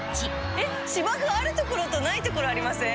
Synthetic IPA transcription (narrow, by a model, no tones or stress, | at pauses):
t͡ɕi | e | ɕibakɯ̟aɾɯ̟t̪oko̞ɾo̞t̪o̞nait̪o̞ko̞ɾo̞aɾʲimasẽ̞